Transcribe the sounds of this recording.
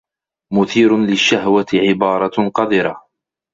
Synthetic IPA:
mʊθiːɾʊnlɪʃːaɦwat̪ɪʕɪbɑːɾˤɑqɑd̪ˤɪɾɑ

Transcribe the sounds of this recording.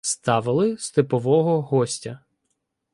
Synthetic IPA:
st̪ɑʋɪlˠɪst̪ɪpɔʋɔɦɔɦɔsʲtʲɐ

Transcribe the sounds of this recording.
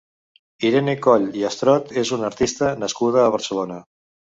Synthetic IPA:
iɾenekɔʎiəst̪ɾɔt̪ezunəɾt̪ist̪ənəskuð̞əːβ̞əɾsəlonə

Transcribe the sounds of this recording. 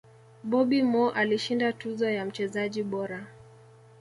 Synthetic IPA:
ɓɔɓimɔʔaliʃindatuzɔjam̩t͡ʃɛzaʄiɓɔɾa

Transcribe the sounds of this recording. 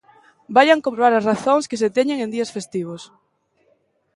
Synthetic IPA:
bajaŋkõmpɾoβaɾasraθoŋskeset̪ɛɲeŋẽnd̪iɐsfest̪iβ̞os

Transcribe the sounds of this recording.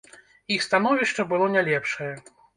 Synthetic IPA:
ixst̪an̪ɔvʲiʂt͡ʂɐbɨlˠɔnʲɛlʲɛpʂɐjɛ

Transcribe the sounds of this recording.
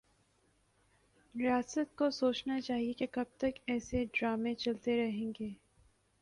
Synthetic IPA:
ɾɪjaːsət̪̚kosoːt͡ʃnat͡ʃaːɦiekekɐb̚t̪ɐkɛːseɖɾaːmẽt͡ʃɐlt̪eɾɐɦẽːŋɡeː

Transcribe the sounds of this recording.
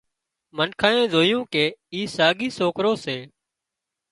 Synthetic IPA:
mənkʰaːẽːzoːjũːkeːiːsaːɠiːsoːkɾoːseː

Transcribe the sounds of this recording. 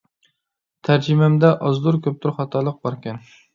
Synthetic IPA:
t̪ʰæɾd͡ʒimɛmd̪ɛʔɑzd̪uɾkʲʰøp̚t̪ʰuɾχɑt̪ʰɑlˠəq̚bɑɾkʲɛn

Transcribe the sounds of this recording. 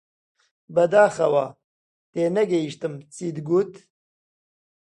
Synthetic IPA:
bɐd̪aːxɐwa̰ː | t̪eːnɐɡɐiʃt̪ɨmt͡siːd̪ɡut̪

